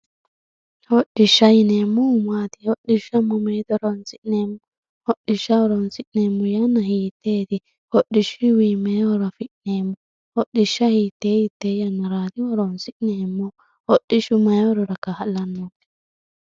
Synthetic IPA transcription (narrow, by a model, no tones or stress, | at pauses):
hɔɗɪʃːɐjɪneːmːɔʊmaːt̪ɪ̥hɔɗɪʃɐmːɔmejt̪ɔɾɔnsɪʔneːmːɔ | hɔɗːɪʃːɐɔɾɔnsɪʔneːmːɔjɐnːɐhiːt̪ʰːeːt̪ɪ | hɔɗɪʃiwiːmeːwɔɾɐfɪʔneːmːɔ | hɔɗːɪʃːɐhiːt̪ːeːjɪt̪ːeːjɐnːɐɾaːt̪ɪwɔɾɔnsɪʔneːmːɔ | hɔɗɪʃʊmɐjwɔɾɔɾɐkːɐhɐlːɐnːot̪ɪ̥